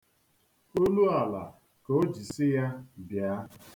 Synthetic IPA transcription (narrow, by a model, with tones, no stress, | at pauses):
o˦lu˦a˨la̰˨ | ko˦d͡ʒi˨sɪ˦ja˦bja˨˦